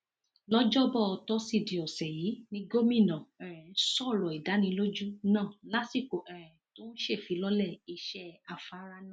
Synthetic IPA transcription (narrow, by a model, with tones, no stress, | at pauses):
lɔ˦d͡ʒɔ˦bɔ˦˨ɔ˧tɔ˦si˦˨di˨ɔ˨sɛ˨ji˨˦nĩ˧ɡo˦mĩ˦˨nã˨ɛ̃˨ɾ̃ɛ̃˨˦sɔ˦˨ɾɔ˨i˨da˨˦nĩ˧lo˦d͡ʒu˦nã˦˨la˨˦si˦˨ko˨ʔɛ˨ɾɛ̃˨to˦n̩˦ʃe˦˨fi˨˦lɔ˦lɛ˦˨i˧ʃɛ˦a˧˨fa˨˦ɾa˦nã˦˨